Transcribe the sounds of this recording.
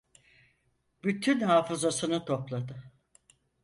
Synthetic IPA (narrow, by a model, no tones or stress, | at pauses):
byt̪ʰynhaːfɯzasɯnɯt̪ʰo̞plˠad̪ɯ